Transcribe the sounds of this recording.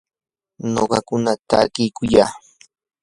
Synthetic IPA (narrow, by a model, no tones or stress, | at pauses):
noɢɑkʊnat̪akɪjkʊjaː